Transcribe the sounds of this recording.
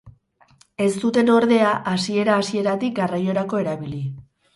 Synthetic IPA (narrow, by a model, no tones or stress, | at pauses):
e̞st̪ut̪e̞no̞ɾðe̞aʔasie̞ɾaːsie̞ɾat̪ik̚ɡarajo̞ɾako̞e̞ɾaβili